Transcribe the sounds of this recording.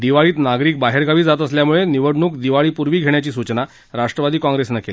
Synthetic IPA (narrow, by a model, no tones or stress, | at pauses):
d̪iʋaɭiːt̪naɡɾiːk̚baɦeɾɡʱaʋiːd͡zat̪əsljamuɭeniʋəɽɳuːkd̪iʋaɭiːpuɾʋiːɡʱeɳ̃jat͡ɕiːsut͡ɕna | ɾaʂʈɾəʋad̪iːkɔ̃ŋɡɾesnakeli